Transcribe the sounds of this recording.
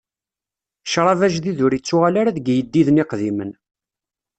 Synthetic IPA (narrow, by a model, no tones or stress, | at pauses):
ʃɾˤɑvæʒðiðʊɾit͡sːʊʁalaɾaðɡjəd̪ːiðəniqðimən